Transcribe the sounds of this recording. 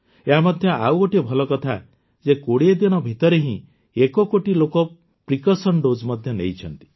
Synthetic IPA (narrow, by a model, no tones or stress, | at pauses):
eɦamɔd̪ʱjɔawɡoʈibʱɔlɔkɔt̪ʰa | d͡ʒekoɽied̪iñɔbʱit̪ɔɾeɦĩ | ekɔkoʈilokɔ | pɾikɔsɔɳɖod͡ʒmɔd̪ʱjɔnḛjt͡ʃʰɔnt̪i̥